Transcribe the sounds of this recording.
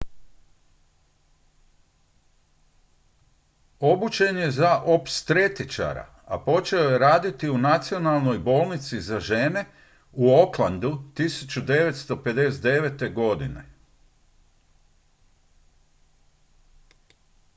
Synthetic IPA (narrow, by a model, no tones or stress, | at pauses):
o̞but͡ʃe̞ne̞zaʔopst̪ɾet̪it͡ʃa̰ɾa̰ | a̰po̞t͡ʃe̞oje̞ɾaːd̪it̪iunat̪sio̞nalˠno̞jbo̞ːlˠnit̪sizaʒe̞ne̞ | uo̞klˠand̪ut̪isut͡ʃud̪e̞ʋe̞t̪st̪o̞pe̞d̪e̞sed̪e̞ʋet̪e̞ɡo̞d̪ine̞̰